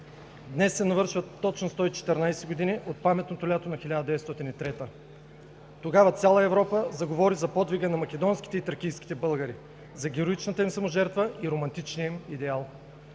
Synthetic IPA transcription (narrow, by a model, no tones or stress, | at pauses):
d̪nɛsːɛnɐvɤɾʃvət̪ːɔt͡ʃnost̪ɔit͡ʃɛ̥t̪ɛɾnajsɛɡod̪iniʔot̪̚pamɛt̪not̪olʲat̪onɐxilʲad̪əd̪ɛvɛt̪st̪ɔt̪init̪ɾɛt̪ə | t̪oɡavɐt̪sʲalˠɐɛvɾɔpəzɐɡovɔɾizɐpɔd̪viɡənɐmɐkʲɛd̪ɔnskʲi̥t̪ɛit̪əɾkijsk̟i̥t̪ɛbɤlˠɡəɾi | zɐɡʲɛɾoit͡ʃnət̪əimsɐmoʒɛɾt̪vəiɾomɐnt̪it͡ʃniəimid̪ɛalˠ